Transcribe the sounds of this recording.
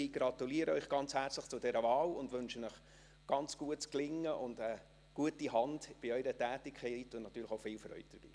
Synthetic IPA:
ɪɡ̥ɾɑt̪uliːəɾəœʏχɡ̥ɑnt͡shært͡sləχt͡sʊdɛɾəvɑːlʊndʋɵnʃənəχ | ɡ̥ɑnt͡sɡ̥uətt͡sklɪŋːəʔʊndə | ɡ̥uətihɑndb̥ɪœʏɾətæːtɪkχɛɪtːuənɑt̪ːyːɾləχoʊfɪːlfɾœ̰ʏt̚d̥əɾb̥ḭː

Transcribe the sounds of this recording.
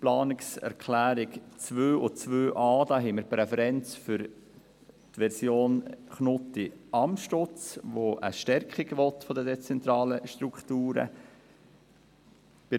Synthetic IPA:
plɑːnɪksɛ̰ɾkʰlæːɾɪkt͡sʋøːʔʊt͡sʋøːʔɑːd̥̪ɑːɦɛməɾpɾɛfɛɾɛnt͡sfʏɾ | tʋɛɾsjoːnχnʊt̪iɑmʃtʊt͡sʋoʔə̰ʃtɛɾkχiɡʋɔt̪fɔd̪əd̪ɛt͡sɛnt̪ɾɑːləʃt̪ɾukχt̪uːɾə̰ | b̥ɪ

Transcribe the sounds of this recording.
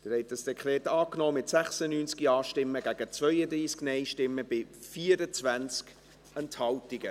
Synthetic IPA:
d̥əhɛɪtəsdɛkʰlɛːtɑːknɔːmɪtsæχsənyːnt͡skiɑːʃtɪmːəɡæɡ̥ət͡svœʏəd̪ɾiːsknɛɪʃtɪmːəb̥ɪfiːəɾət͡svænt͡sk | ɛnthɑltiɡə

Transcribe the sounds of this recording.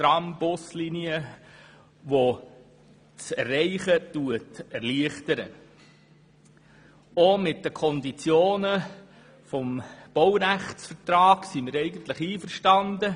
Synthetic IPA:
tɾɑmbʊsliniə | ʋo | t͡sɛrːɛɪχətuətɛɾliəχtəɾə̰ | omɪt̚d̥əkʰɔnd̪it͡sjoːnə | fɔmb̥ɔwɾæχt͡sfəɾtɾɑːɡsimiɾɛɪɡən̩t̪ləχiːfəɾʃtɑnd̪ə

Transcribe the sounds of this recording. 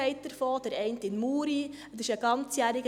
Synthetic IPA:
ɛɪt̚ːəɾfoːd̥̪əɾɛɪntɪnmuːɾi | dɪʃəɡɑnt͡sjæɾɪɡə

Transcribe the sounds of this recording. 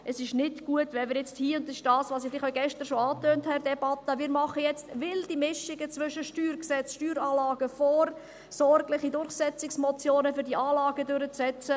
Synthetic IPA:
ʔəsɪʃnɪtɡ̥uətʋɛmɪːɾjɛt͡sthiːʊndɪʃd̥ɑːsʋɑːsifɪlɪχɔɡɛʃtəɾʃoɑːtøːnthɛɾdɛbɑt̪əmɪːɾmɑχəjɛt͡stʋɪld̥imɪʃɪɡət͡sʋʏʃəʃtyːɾksɛt͡sʃtyːɾɑːlɑːɡəfɔːɾ | sɔɾɡlɪχidʊɾχsɛt͡sɪksmɔt͡sjoːnəfʏɾdiʔɑːlɑːɡədøɾət͡sɛt͡sə

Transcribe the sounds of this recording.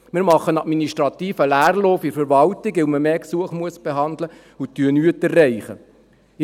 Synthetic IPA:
mɪːɾmɑχːənɑtminiʃtɾɑt̪iːfəlæːrlɔfɪfəɾʋɑltɪkʋɪlməmeːksuəχmuəsb̥eɦɑndlə | utːyənyːətɛrːɛɪχə̰

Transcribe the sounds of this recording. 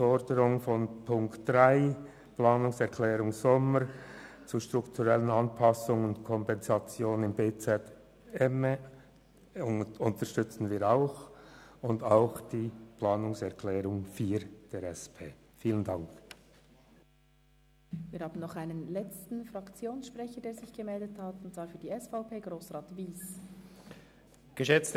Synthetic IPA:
fɔɾdəɾʊŋfɔnpʰʊŋktd̥ʁaɪ | plɑːnʊŋsɛʁkʰlɛːɾʊŋsɔməɾt͡suʃtʁ̥ʊktʰuʁɛlənɑnpʰɑsʊŋʊntkʰɔmpɛnzɑt͡sjoːnnɪmbeːt͡sɛt | ɛmə | ʊntəʃtʏt͡sn̩viːɾaʊxʊndaʊxd̥iːplaːnʊŋsɛʁkʰlɛːɾʊŋfyːɾd̥eːɾɛspʰeː | fiːləndɑŋk | viːɾhaːbn̩nɔχaɪnənlɛt͡stn̩fʁɑkt͡sjoːnsʃpʁɛçədeːɾzɪçɡ̥əmɛldəthatʊntt͡sv̥aːɾfyːdiːɛsfaʊpʰeːɡ̥ʁoːsʁaːtviːs | ɡ̥əʃɛt͡st

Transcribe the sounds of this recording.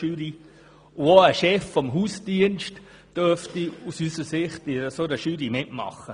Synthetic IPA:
yːɾi | ʊoəʃɛfːɔmɦuːsd̥iənʃt | d̥øftiusysəsɪχtɪɾəsoɾəʃyːɾimɪtmɑ̰χːə

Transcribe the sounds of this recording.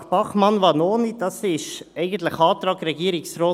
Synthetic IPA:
b̥ɑχmɑnʋɑːnoːnid̥ɑsɪʃɛɪɡən̩t̪lɪxɑːt̪ɾɑːɡɾɛɡiːɾɪksɾoː

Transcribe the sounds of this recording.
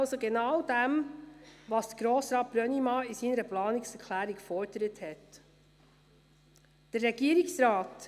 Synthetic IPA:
lsoɡɛnɑwdɛm | ʋɑsd̥ə̥ɡ̥ɾoːsɾɑːt̚b̥ɾœnimɑːisiːnəɾəplɑːnɪksɛɾkʰlæːɾikfɔɾd̥əɾəthɛt | d̥əɾːɛɡiːəɾiksɾɑːt

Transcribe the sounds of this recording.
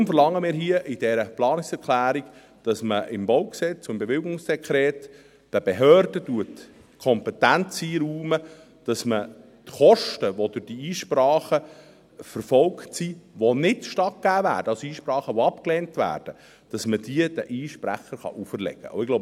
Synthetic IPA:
mfəɾlɑŋːəmɪːɾɦiəʔɪd̥ɛɾəplɑːnɪksɛɾkχlæːɾik | d̥ɑsməʔɪmbɔʊksɛt͡sʊmbeʋɪlɡʊŋsd̥ɛkʰɾɛːt | d̥əbeɦøːrd̥əduət | kʰɔmpɛtænt͡siɾuːmə | d̥ɑsmə | tχɔʃtəʋod̥ʊd̥iiːʃpɾɑːχə | fəɾfɔlktsiʋonɪtʃtɑt̚ɡ̥æːvæ̰ːɾd̥əɑsiːʃpɾɑːχəʋɔɑpklɛːntʋæ̰ːrd̥ə | d̥ɑsməd̥iəd̥əʔiːʃpɾæ̰χəɾχɑ̰ʔufərlɛ̰ɡ̥ə̰o̰ʊɪɡlob

